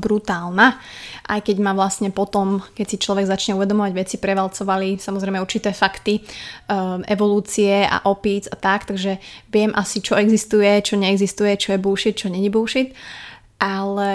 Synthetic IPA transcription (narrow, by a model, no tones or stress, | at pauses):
bɾut̪aːlna | ʔa̰jkɛɟmaʋlastɲɛpɔt̪ɔmkɛcsit͡ʃlɔʋɛɡzat͡ʃɲɛuʋɛd̪ɔmɔʋaɟʋɛt͡sipɾɛʋalt͡sɔʋalisamɔzɾɛjmɛuɾt͡ʃit̪ɛːfakt̪i | ʔɛʋɔluːt͡siɛa̰ʔɔpiːd͡zat̪akt̪aɡʒɛʋɪɛmʔasit͡ʃɔɛɡzist̪ujɛt͡ʃɔɲɛɛɡzist̪ujɛt͡ʃɔjɛbuːʃit̪̚t͡ʃɔɲɛɲibuːʃit̪ | ʔalɛ